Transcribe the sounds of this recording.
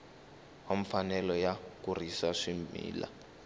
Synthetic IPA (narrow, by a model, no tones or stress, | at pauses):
waɱfanɛlɔjakurisaʂimmḭːla̰